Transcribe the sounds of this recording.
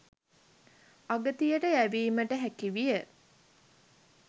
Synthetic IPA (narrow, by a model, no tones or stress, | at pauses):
aɡət̪ijəʈəæʋiːməʈəɦækiʋijə